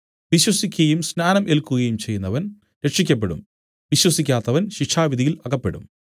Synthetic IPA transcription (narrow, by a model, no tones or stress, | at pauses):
ʋiɕwɐsikʲːɐjumsnaːnɐmʔe̞lkːuɣɐjumt͡ɕe̞jːunːɐʋɐn | ɾe̞ʈʂikʲːɐp̬ːe̞ɽṵm | ʋiɕwɐsikʲːaːt̪ːɐʋɐnɕikʂʰaːʋid̪ijilɐɣɐpːe̞ɽṵm